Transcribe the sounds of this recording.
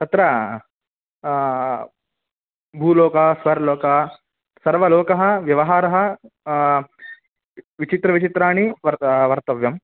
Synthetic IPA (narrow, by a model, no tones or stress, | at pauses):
t̪ɐt̪ɾɐ | bʱuːlɔːkɐsʋɐɾlɔːkɐ | sɐɾʋɐlɔːkɐɦɐ̆ʋjɐʋɐɦaːɾɐɦɐ̆ | ʋit͡ʃit̪ɾɐʋit͡ʃit̪ɾaːniʋɐʋɐɾt̪ɐʋjɐm